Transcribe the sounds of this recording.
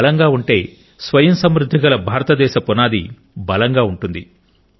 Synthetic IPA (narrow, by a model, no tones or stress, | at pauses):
lɐŋɡaːuɳʈe̞ː | sʋɐjɐmsɐmɾud̪ʱːikɐlɐbʱaːɾɐt̪ɐd̪ɛːʃɐpɔnaːd̪ḭ | bɐlɐŋɡaːuɳʈund̪i